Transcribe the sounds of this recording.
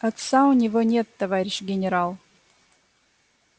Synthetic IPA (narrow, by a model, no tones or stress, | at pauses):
ɐt̪saʊnʲɪvonʲe̞t̪ːɐvaɾʲɪɕɡʲɪnʲɪɾalˠ